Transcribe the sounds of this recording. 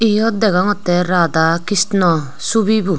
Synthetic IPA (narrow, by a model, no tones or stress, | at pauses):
ijɔd̪ɛɡaŋɔt̪ɛɾad̪akist̪nɔ | suβibu